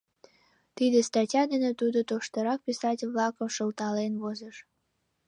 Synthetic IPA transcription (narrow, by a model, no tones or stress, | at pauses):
t̪id̪est̪ɑtʲɑd̪enet̪ud̪ot̪oʃt̪əɾɑk̚pʲisɑtʲlβlɑkəmʃəlt̪ɑlenβozəʃ